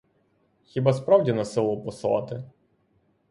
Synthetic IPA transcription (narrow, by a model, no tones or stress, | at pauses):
xʲibaspɾɑwdʲinɐsɪlˠɔpɔslˠɑ̰t̪ɪ